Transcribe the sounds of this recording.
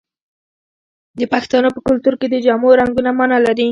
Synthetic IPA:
d̪əpaxt̪ɑnopəkʊlt̪uɾked̪əd͡ʒamuɾaŋɡunamanalaɾi

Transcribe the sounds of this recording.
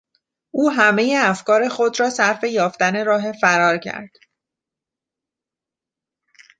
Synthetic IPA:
ʔuːɦæme̞je̞æfkɒːɾe̞xod̪ɾɒːsæɾfe̞jɒːft̪æne̞ɾɒːɦe̞fæɾɒːɾcʰæ̰ɾd̪̥

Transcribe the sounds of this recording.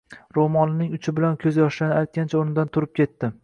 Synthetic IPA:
ɾomɒnɪnɪŋʊt͡ʃʰɪbɪlankʲʰɵzjɒʃlanɪajt̪̚kʲʰant͡ʃʰaoɾnɪd̪ant̪ʰʊɾɪp̚kʲʰe̞t̪ːɪ

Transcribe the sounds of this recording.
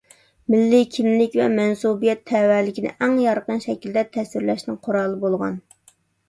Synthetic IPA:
mɪlːɪkʲʰimlɪkʲvɛmɛnsubijɛt̪ʰːɛwæɾlɪkʲinɪ̰ʔæŋjɑɾqənʃɛkʲild̪ɛt̪ʰɛsɪɾlɛʃnɪŋqʰoɾɑːlˠəbolˠʁɑ̰n

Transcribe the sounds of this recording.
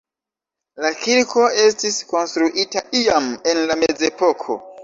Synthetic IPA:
lakiɾko̞e̞stisko̞nstɾuʔitaʔiame̞nlameze̞po̞kʰo̞̰

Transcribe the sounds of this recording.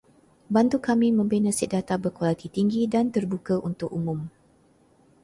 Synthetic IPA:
bant̪ukamĩmə̃mbenə̃siʔ̚dat̪abəkolat̪it̪iŋɡidant̪ərbukəʔunt̪ʊk̚umʊ̃m

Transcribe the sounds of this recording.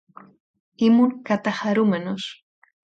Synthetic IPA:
imuŋkat̪axaɾumenos

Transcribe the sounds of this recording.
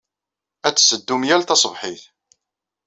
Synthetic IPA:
æt͡sːsəd̪ːumjælt̪ɑsˤəvħɪθ

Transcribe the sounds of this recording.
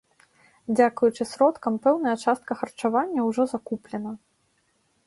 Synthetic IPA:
d͡zʲakujut͡ʂɨsɾɔt̪kɐmpɛwnɐjɐt͡ʂast̪̚kɐxɐrt͡ʂavanʲːɐwʐɔzakuplʲɛnɐ

